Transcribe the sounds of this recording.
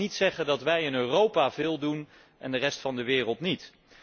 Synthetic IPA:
itsɛχəndɑtʋɛjɪnøːrowpavɪːlˠdun | ʔɛndərɛstfɑndəʋɪːrəlˠtnit

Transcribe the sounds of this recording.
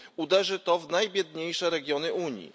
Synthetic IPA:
ud̪ɛʐɘt̪ɔvnajbʲjɛd̪ɲejʂɛɾɛɡʲjɔnɘʔuɲḭ

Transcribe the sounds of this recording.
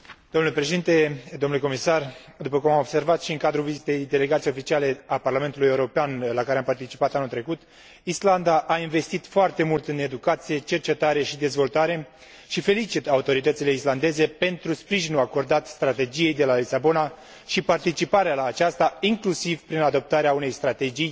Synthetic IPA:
d̪̥onulepɾe̞ʃed̪int̪e̞d̪onuleko̞misard̪upəkumamo̞bse̞rvat̪ʃiɨŋkad̪ɾuvizit̪e̞jd̪e̞le̞ɡat̪ijofit͡ʃiale̞aparlame̞nt̪ulujeuɾo̞peanlakaɾeampart̪it͡ʃi̥pat̪anult̪ɾe̞kut̪ | island̪aʔainve̞st̪it̪foart̪e̞mult̪ɨne̞d̪ukat̪sije̞t͡ʃe̞rt͡ʃe̞t̪aɾe̞ʃid̪e̞zvo̞lt̪aɾe̞ | ʃife̞lit͡ʃit̪aut̪o̞ɾit̪ət̪sile̞island̪e̞ze̞pe̞nt̪ɾuspɾiʒinuako̞rd̪at̪st̪ɾat̪e̞d͡ʒije̞jd̪e̞lalisabo̞na | ʃipart̪it͡ʃipaɾealaːt͡ʃast̪aiŋklusivpɾinad̪o̞p̚t̪aɾeaune̞jst̪ɾat̪e̞d͡ʒij

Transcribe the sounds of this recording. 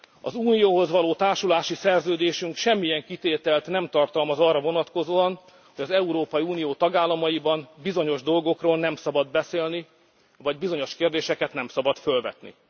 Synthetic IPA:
ɒ̰zuːnijoːɦo̞zʋɒloːt̪aːrʃulaːʃisɛrzøːd̪eːʃyŋkʃɛmːijɛŋkit̪eːt̪ɛlt̪nɛmt̪ɒrt̪ɒlmɒzɒrːɒvo̞nɒt̪ko̞zoːɒn | ho̞ɟɒzɛuɾoːpɒjiuːnijoːt̪ɒɡaːlːɒmɒjibɒmbizo̞ɲo̞ʒd̪o̞lɡo̞kroːlnɛmsɒbɒd̪bɛseːlni | vɒɟbizo̞ɲo̞ʃkeːrd̪eːʃɛkɛt̪nɛmsɒbɒt̪fø̞lvɛ̰t̪nḭ

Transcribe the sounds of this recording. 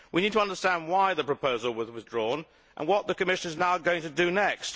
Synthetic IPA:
winid̚tʰəʌ̃ndə˞stæ̃nd̚waɪðɨpɹ̥əpʰoʊzəl̩ˠwəzwɪðdɹɔn | ʔə̰̃nwʌt̪̚ðɨkɨmɪʃɨ̃nɨznaʊɡoʊɪ̃ŋtʰɨdɨnɛkst

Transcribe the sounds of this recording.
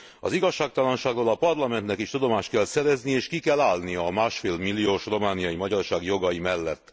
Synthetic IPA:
ɒ̰ziɡɒʃːaːk̚t̪ɒlɒnʃaːɡroːlɒpɒrlɒmɛnt̪nɛkiʃt̪ud̪o̞maːʃt̪kɛlsɛɾɛznieːʃkikɛlːaːlniɒɒmaːʃfeːlmilːijoːʃro̞maːnijɒjimɒɟɒrʃaːɡjo̞ɡɒjimɛlːɛt̪ː

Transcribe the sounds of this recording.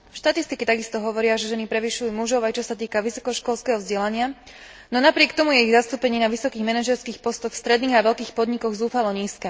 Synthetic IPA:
ʃt̪at̪ist̪ikit̪aɡist̪ɔɦɔʋɔɾɪaʒɛʒɛnipɾɛʋiʃujumuʒɔʊajt͡ʃɔsat̪iːkaʋisɔ̥kɔʃkɔlskɛːɦɔvzɟɛlaɲɪa | nɔnapɾɪɛkt̪ɔmujɛiɣzast̪uːpɛɲiːnaʋisɔkiːɣmɛnaʒɛɾskiːxpɔst̪ɔxfst̪ɾɛd̪niːɣaʋɛʎkiːxpɔd̪ɲikɔɣzuːfalɔɲiːskɛ

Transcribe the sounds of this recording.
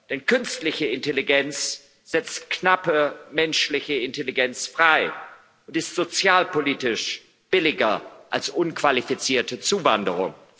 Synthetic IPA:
d̥ɛnkʰʏnstlɪçəɪnteliɡɛnt͡s | z̥ɛt͡stknapəmɛnʃlɪçəɪnteliɡɛnt͡sfʁ̥aɪ | ʔʊntɪstz̥ot͡sjaːlpoliːtɪʃ | b̥ɪlɪɡɐʔalsʔʊnkv̥alifit͡siːɐtət͡suːvandəʁʊ̰ŋ

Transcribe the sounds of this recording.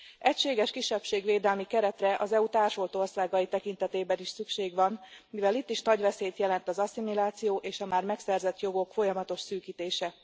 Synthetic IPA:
ɛcʃeːɡɛʃkiʃːɛpʃeːɡʋeːd̪ɛlmikɛɾɛt̪rɛʔɒzɛut̪aːrʃo̞lt̪o̞rsaːɡɒjit̪ɛkin̪t̪ɛt̪eːbɛniʃsykʃeːɡʋɒnmivɛlit̪ːiʃnɒɟʋɛseːt̪jɛlɛnt̪ɒzɒsimilaːt̪sijoːʔeːʃɒmaːrmɛksɛrzɛt̪jo̞ɡo̞kfo̞jɒmɒt̪o̞ʃsyːkiːt̪eːʃɛ

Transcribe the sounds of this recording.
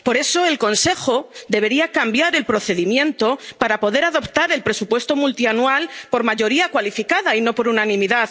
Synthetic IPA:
po̞ɾe̞so̞elko̞nse̞xo̞d̪e̞β̞e̞ɾiakambjaɾe̞lpɾo̞θe̞ðimjẽ̞nt̪o̞paɾapo̞ðe̞ɾaðo̞pt̪aɾe̞lpɾe̞supwe̞st̪o̞mult̪ianualpo̞ɾmaʝo̞ɾiakwalifikaðaino̞po̞ɾunanĩmiðað

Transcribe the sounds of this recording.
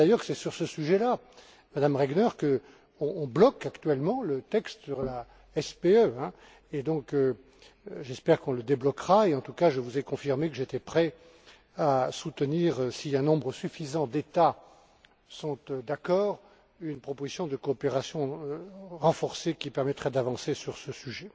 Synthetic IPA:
d̪ajœʁsɛsyʁsəsyʒɛla | mad̪amʁɛɡnœʁkə | ɔ̃ːblɔkakt̪ɥɛlmɑ̃lət̪ɛkst̪syʁla | ɛspeøɛ̃ | ed̪ɔ̃kø | ʒɛspɛʁkɔ̃ləd̪eblɔkʁaeɑ̃t̪ukaʒəvuzɛkɔ̃fiʁmekəʒet̪ɛpχɛ | asut̪əniːʁsiɛ̃nɔ̃bʁəsyfizɑ̃d̪et̪a | sɔ̃t̪d̪akɔːʁ | ynpχɔpozisjɔ̃d̪əkoːpeʁasjɔ̃øʁɑ̃fɔʁsekʲipɛʁmɛt̪χɛd̪avɑ̃sesyʁsəsyʒɛ

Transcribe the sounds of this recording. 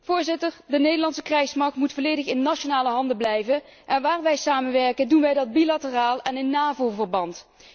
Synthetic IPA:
v̥ʊːɹzɪtəɹdənejdəlɑnsəkrɛjsmɑɹk̚tmutfoːlejdəxɪnːaonaːləɦɑndəblɛjvən | ʔɛnʋaːrʋɛjsaːmənʋɛɹkəndunʋɛjdɑd̚bilatəraːlˠɛnɪnːaːvovərbɑnt

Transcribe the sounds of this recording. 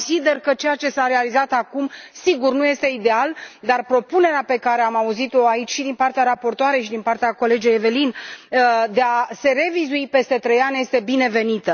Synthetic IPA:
sid̪e̞rkət͡ʃejat͡ʃe̞saɾe̞alizat̪akumsiɡurnuje̞st̪e̞id̪e̞ald̪arpɾo̞pune̞ɾeape̞kaɾe̞amauzit̪o̞ait͡ʃʲʃid̪inpart̪eaɾapo̞rt̪oaɾe̞jʃid̪inpart̪eako̞le̞d͡ʒejeve̞lin | d̪e̞ase̞re̞vizuipest̪e̞t̪ɾe̞janʲje̞st̪e̞bine̞ve̞nit̪ə

